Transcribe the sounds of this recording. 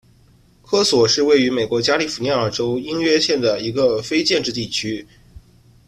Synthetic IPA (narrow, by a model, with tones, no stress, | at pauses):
kʰɤ˥swɔ˨˩ʂɻ̩˥˧we˥˩ɪy˧˥me˨˩ɪkwɔ˧˥t͡ɕja˥li˧˥˩fu˨˩ni˧˥ə˞˥˩ʈ͡ʂo˥ʊi˥nɥɛ˥ɕjɛ˥˩nd̪ə˩i˧˥ɡə˧fe˥ɪt͡ɕjɛ˥˧nʈ͡ʂɻ̩˥˧t̪i˥˩t͡ɕʰy˥